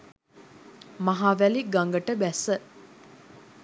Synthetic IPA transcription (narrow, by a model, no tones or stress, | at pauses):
maɦaːʋæliɡaŋɡəʈəbæsə